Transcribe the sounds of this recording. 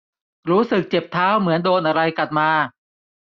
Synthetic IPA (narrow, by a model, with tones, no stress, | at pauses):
ɾuː˦˥sɯ˨˩k̚t͡ɕe˨˩p̚t̪ʰaː˦˥wmɯ˩˦əndoː˧nʔa˧ɾa˧jka˨˩t̪̚maː˧